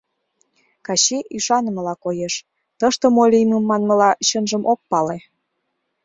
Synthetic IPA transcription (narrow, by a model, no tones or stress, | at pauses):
kɑɕiʔiʃɑnə̆mə̆lɑkojeʃ | t̪əʃt̪ə̆molʲiməmːɑnmə̆lɑɕənʒəmʔok̚pɑle